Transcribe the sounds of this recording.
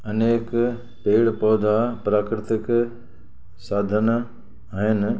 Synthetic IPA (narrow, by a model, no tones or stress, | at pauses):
ɐneːk | peːɽpɔːd̪ʱapɾaːkɾɪt̪ɪk | saːd̪ʱən | aːɦɪnɪ̆